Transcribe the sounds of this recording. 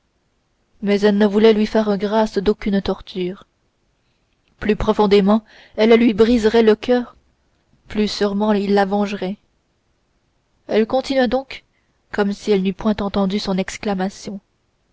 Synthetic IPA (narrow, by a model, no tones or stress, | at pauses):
mɛzɛlnəvulɛlɥifɛʁɡʁasd̪okʲynt̪ɔʁt̪ʰyːʁ | plypχɔfɔ̃d̪emɑ̃ | ɛllɥibʁizʁɛləkʰʲœːʁ | plysyʁmɑ̃ilːavɑ̃ʒʁɛ | ɛlkɔ̃t̪inɥad̪ɔ̃k | kɔmsiɛlnypwɛ̃t̪ɑ̃t̪ɑ̃d̪ysɔ̃nɛksklamasjɔ̃